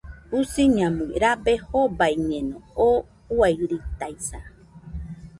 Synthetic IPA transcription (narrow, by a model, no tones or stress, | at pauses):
usiɲãmɨ̃ɾabehobajɲẽnõo | uajɾit̪ajsa